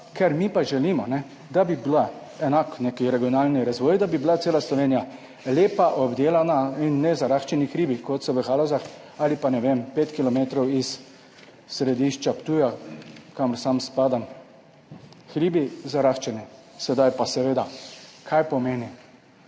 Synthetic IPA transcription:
kɛɾmipaʒɛliːmɔnɛ | d̪abibla | ɛnakneːkiɾɛɡijɔnaːlniɾazʋɔːjd̪abibilat̪seːlaslɔʋeːnija | leːpaʔɔbd̪eːlanainːɛzaɾaxt͡ʃɛnixɾiːbikɔt̪sɔʋəxalozax | alipanɛʋempeːt̪kilɔmeːt̪ɾɔwisː | ɾɛd̪iʃt͡ʃapt̪uːjakaməɾsamspaːd̪am | xɾiːbizaɾaxt͡ʃɛnisɛd̪ajpasɛʋeːd̪akʰajpɔmeːni

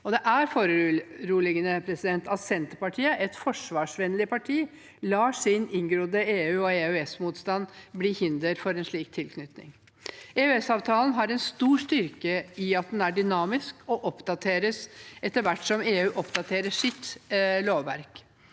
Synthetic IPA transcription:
ɔd̪ɛʔæɾfoːɾəɾuːlɪɡənəpʰɾɛsɪd̪ɛnt̪ɑt̪sɛnt̪əɾpɑʈʰiːəʔɛt̪fɔʂʋɑːʂʋɛnlɪpʰɑʈʰiː | lɑːʂɪnɪŋɡɾuːd̪əeːʉːɔeːʉɛsmuːt̪st̪ɑnbliːhɪnd̪əɾfɔɾɛnʂɭiːk̚t̪ʰːɪlkʰnʏt̪nɪ̰ŋ | eːʉɛsɑːʋt̪ʰɑːlənɦɑɾɛnst̪uːʂt̪ʏɾkəɪɑt̪̚d̪ɛnæɖʏnɑːmɪskʰɔʔɔpd̪ɑt̪ʰeːɾəsɛt̪ːəɾʋæʈːsɔmeːʉːʔɔpd̪ɑt̪ʰeːɾəʂɪt̪loːʋʋæɾk

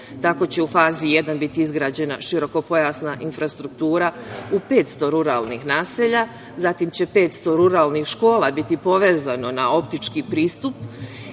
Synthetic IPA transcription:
t̪ako̞t͡ɕe̞ufaːzije̞d̪anbit̪iizɡɾaːd͡ʑe̞naʃiɾo̞ko̞po̞jasnaʔinfɾast̪ɾuk̚t̪uːɾaupe̞ːt̪st̪o̞ɾuɾa̰lˠnixnaːseʎa | zat̪imt͡ɕe̞pe̞ːt̪st̪o̞ɾuɾaːlˠnixʃko̞ːlˠabit̪ipo̞ʋe̞ːzano̞nao̞pt̪it͡ʃkiːpɾiːst̪up

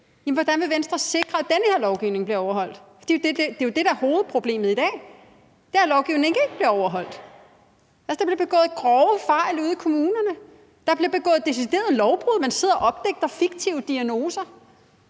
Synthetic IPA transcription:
jemn̩ʋɒ̽d̥ænʋe̝ʋensd̥ʁɐse̝ɡ̥ʁɐæd̥enəhe̝ɐlɒʊɡ̥iʊne̝ŋb̥liɐɒʊɐɦhɒ̽l̰d̥fd̥ḭjod̥eed̥e̝jo̝d̥e̝ɾ̥ɑæho̝ːð̞̩ˠpʰʁo̝b̥le̝̰ːməð̩ˠid̥ɛ̰ː | d̥eɐlɒʊɡ̥iʊneŋe̝ɡ̥əe̝ɡ̥əb̥liɐɒʊɐɦɒ̽l̰d̥ | ælsəd̥ɑ̈b̥liɐb̥e̝ɡ̥ɔ̰̽ːð̩ˠɡ̥ʁɒʊəfɑ̈ɪluːð̞ˠikʰo̝muːnɐnə | d̥ɑb̥liɐb̥e̝ɡ̥ɔ̰ːð̩ˠd̥es̬id̥e̝̰ːɐð̩ˠlɒʊb̥ʁuðˠmænse̝ð̰ˠɐʔɒ̽b̥̚d̥eɡ̥̚d̥ɐfiɡ̥t͡sʰiʊəd̥iæno̝ːsɐ

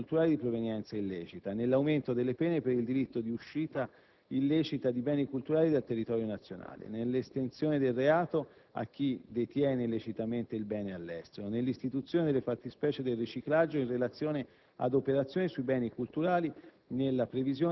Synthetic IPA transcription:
lt̪uɾaːlid̪ipɾovenjɛnt̪sailːɛːt͡ʃit̪anelːawment̪od̪elːepɛːnepeɾild̪iɾit̪ːod̪iuʃːiːt̪a | ilːɛt͡ʃit̪ad̪ibɛːnikult̪uɾaːlid̪elt̪erːit̪ɔːɾjonat̪sːjona̰ːlḛnelːest̪ensjoːned̪elreaːt̪oa̰k̟ːid̪et̪jɛːneilːet͡ʃit̪ament̪eilbɛːnealːɛst̪eɾonelːist̪it̪ut̪sːjoːned̪elefart̪ispɛːt͡ʃed̪elrit͡ʃiklad͡ʒːoinrelat̪sːjoːne | a̰d̪opeɾat̪sːjoːnesuibɛːnikult̪uɾaːli | nelːapɾevizjoː

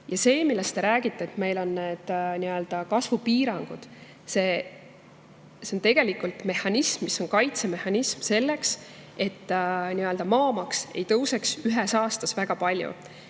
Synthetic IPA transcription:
jɑse̞ːmilːe̞st̪e̞ɾæːɡ̥it̪ˑːe̞ːt̪me̞jlo̞nːe̞d̪̥niø̞ld̪̥ɑkɑsvupiːɾɑŋɡ̥ud̪̥ | se̞ː | se̞o̞nt̪e̞ɡ̥e̞likult̪me̞hɑnʲismːisːo̞nkɑjt̪se̞me̞hɑnʲismse̞lːe̞kse̞t̪ːniøld̪ɑmɑːmɑkse̞jt̪ɤwse̞ksyɦesɑːst̪ɑsvæɡ̥ɑpɑlʲjṵ

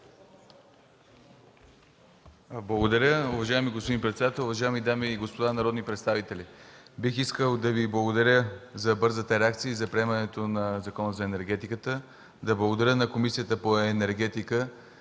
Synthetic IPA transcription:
blˠɐɡod̪ɐɾʲəʊvɐʒaɛmiɡospod̪inpɾɛt̪sɛd̪at̪ɛlˠʊvɐʒaɛmid̪amiːɡospod̪anɐɾɔd̪nipɾɛt̪st̪avit̪ɛlʲibixiskəlˠd̪ɐviblˠɐɡod̪ɐɾʲəzɐbɤɾzət̪əɾɛak̚t̪sijəizɐpɾiɛmɐnɛt̪onɐzɐkɔnəzɐɛnɛɾɡɛt̪ikət̪ə | d̪ɐblˠɐɡod̪ɐɾʲənɐkomisijət̪əpoɛnɛɾɡɛt̪ikə

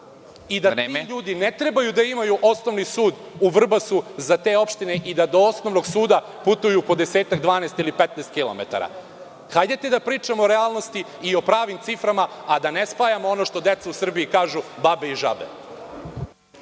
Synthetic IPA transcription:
id̪ateiʎuːd̪inet̪ɾebajud̪aimajuʔo̞sno̞ʋnisuːd̪ | uʋr̩basuzat̪eːo̞pʃt̪ineʔid̪ad̪o̞osno̞ʋno̞ɡsuːd̪a | put̪ujupo̞d̪eseːt̪aɡd̪ʋaːnest̪ilipet̪nest̪kilˠo̰mḛt̪a̰ɾa̰ | xajd̪et̪ed̪apɾiːt͡ʂamooɾeaːlˠnost̪iːo̞pɾaːʋimt̪sifɾamaad̪anespaːjamoono̞ʃt̪o̞d̪e̞t̪sausr̩biikaːʒubabeiʒa̰bḛ

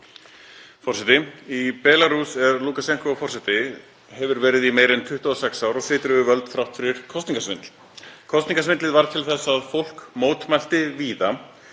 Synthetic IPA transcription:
fɔrsɛt̪ɪipɛːlaɾusɛɾluːkasɛn̥kɔfɔrsɛt̪ɪ | hɛvʏɾvɛːɾɪðimeːjɾɪnt̪ʰʏht̪ʏɔsɛksawɾɔɣsɪːt̪ɾʏðʏvœlt̪θɾawht̪fɪɾɪɾ̥kʰɔst̪niŋkasvɪnt̪l̥ | kʰɔst̪niŋkasvɪnt̪lɪðvaɾt̪ʰɪlθɛsːaːðfowl̥kmoːwt̪mal̥t̪ɪviːða

